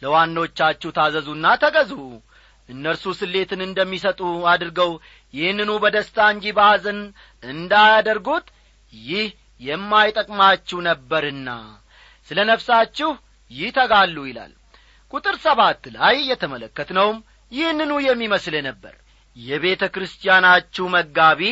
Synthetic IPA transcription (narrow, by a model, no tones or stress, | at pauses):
ləwanːawot͡ʃːat͡ʃːɛwt̪ʰazəzunːat̪ʰəɡəzu | ʔɨnːəɾsusɨlːe̞t̪ʰɨnɨnd̪əmːisət̪ʼuad̪ɨɾɡəw | jɪhnːɨnubəd̪əst̪ʰaɨɲd͡ʒibazɨn | ɨnd̪ajad̪əɾɡut̪ | jɪh | jɛmːajt̪ʼəkʼmat͡ʃːɛwnəbːəɾɨnːa̰ | sɨlənəβsat͡ʃːɪh | jɪht̪ʰəɡalːujɪla̰l | kʼut̪ʼɨɾsəβat̪ːlajːɛt̪ʰəmələkːət̪nəwm | jɪhnːɨnujɛmːiməslənəbːə̰ɾ | jɛβe̞t̪ʰəkɾɨst̪ʰijanat͡ʃːuwməɡːaβi